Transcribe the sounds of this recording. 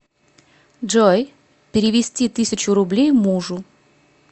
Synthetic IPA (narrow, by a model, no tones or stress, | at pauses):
ʐoj | pʲɪɾʲɪvʲɪsʲtʲit̪ɨsʲɪt͡ɕʊɾʊblʲejmuʐʊ